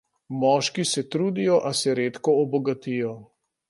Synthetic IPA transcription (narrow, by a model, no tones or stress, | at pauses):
mɔːʃkisɛt̪ɾuːd̪ijɔʔasɛɾeːt̪kɔɔbɔɡat̪ijɔ